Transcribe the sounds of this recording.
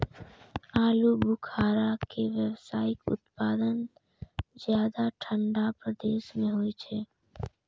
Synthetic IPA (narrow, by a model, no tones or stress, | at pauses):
aːlubukʰaːɾakeʋjəwsaːɪkʊ̰t̪paːd̪ən | zjaːd̪aʈʰə̃ɳɖapɾəd̪eːʃmẽɦoːit͡ʃʰeː